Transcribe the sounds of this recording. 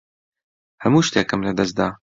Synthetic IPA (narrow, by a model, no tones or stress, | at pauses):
hɐmuːʃt̪eːkɨmlɐd̪ɐsd̪aː